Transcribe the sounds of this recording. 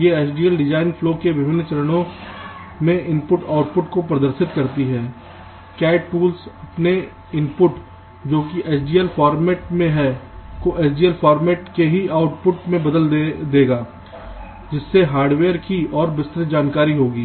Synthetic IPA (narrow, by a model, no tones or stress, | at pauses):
jeeːt͡ʃɖiːəlɖɪd͡ʒaːɪnpʰloːkeʋɪbɪ̃nːt͡ʃɐɾəɽ̃õ | mẽʔɪ̃mpʊʈaːʊʈ̚pʊʈkopɾɐd̪əɾʃɪt̪kɐɾt̪iɦɛː | kɛːʈ̚puːlsɐpne | ɪ̃mpʊʈ | d͡ʒoːkiʔeːt͡ʃɖiːəlpʰɔːɾmɛːʈ̚mẽɦɛːkoʔeːt͡ʃɖiːəlpʰɔːɾmɛːʈkeɦiaːʊʈpʊʈmẽbɐd̪əld̪eːɡaː | d͡ʒɪsːeɦaːɾɖʋeːəɾkiɔːɾbɪst̪ɾɪd͡ʒaːnkaːɾiɦoːɡiː